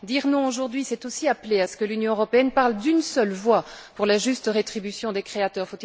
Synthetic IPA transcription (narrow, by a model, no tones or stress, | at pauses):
d̪iʁnɔ̃oʒuʁd̪ɥisɛt̪osiapleasə̥kəlynjɔ̃øʁɔpeɛnpaʁld̪ynsœlvwapuʁlaʒyst̪əʁet̪χibysjɔ̃d̪ekχeat̪œːʁfot̪i